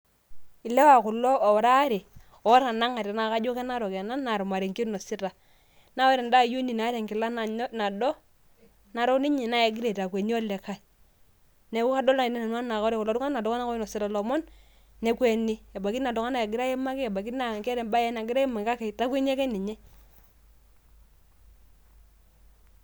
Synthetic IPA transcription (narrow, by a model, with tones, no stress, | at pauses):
ɪ˨lɛ˦wa˨kʊ˨lɔ˦ɔ˨ɾa˦ɾi˨ | ɔ˨˦ɾa˨na˦ŋa˨ɾɛ˨na˨ka˦d͡ʒo˦kɛ˦na˦ɾɔ˨kɛ˨na˦nːa˨ɾu˨ma˨ɾi˨ŋki˦ɾnɔ˨sɪ˦ta˨ | na˦wɛ˦ɾɛ˨nda˦ju˦ni˨na˨˦ɾɛ˨ŋkɪ˨la˦na˨˦na˨dɔ˦ | na˨ɾɔ˦nɪ˦ɲɛ˨na˦jɛ˨ɡɪ˦ɾe˨ta˨kwe˨ni˦ɔ˦lɛ˨ka˦˨ | nɛ˨˦ku˦ka˦dɔ˦la˨nɛ˦na˨nwa˦na˨kɔ˦ɾɛ˨kɔ˨lɔ˨˦ɾʊ˦ŋa˦na˨dɔ˦ka˦na˦kɔ˦nɔ˨sɪ˦ɾa˨lɔ˨mɔ˦n | nɛ˨˦kwe˨ni˦ɛ˨ba˨ki˦na˨dɔ˨ŋa˦na˨jɛ˨ɡɪ˦ɾa˦jɛ˦ma˦kɛ˦ɛ˨ba˨ki˦a˨ŋkɛ˦ɾɛ˨ba˦jɛ˦na˨ɡɪ˦ɾa˦e˦ma˨ŋka˦kɛ˨ta˦kwe˦ni˦ɛ˦kɛ˦ni˨ɲɛ˦